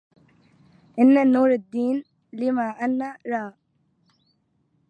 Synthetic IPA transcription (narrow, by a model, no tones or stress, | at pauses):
ʔɪnːanuːɾad̪ːiːn | lɪmaːʔanːaɾaːʔ